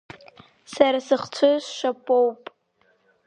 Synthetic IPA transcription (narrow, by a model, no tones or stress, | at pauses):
saɾasɨχt͡ɕʷʰʊzʃapʼowpʼ